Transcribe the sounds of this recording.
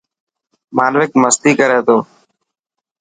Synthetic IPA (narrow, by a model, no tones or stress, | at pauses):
maːnʋɪk̚məst̪iːkəɾeːt̪oː